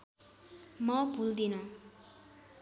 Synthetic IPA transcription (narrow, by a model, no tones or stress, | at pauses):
mʌbʱuld̪inʌ